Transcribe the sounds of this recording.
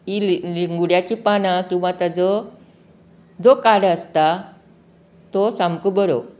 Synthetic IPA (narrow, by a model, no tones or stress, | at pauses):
illiŋɡuɽjat͡ɕipanakĩw̃ʋãt̪əd͡zə | d͡zokaɽəst̪a | t̪osamkubəɾo̰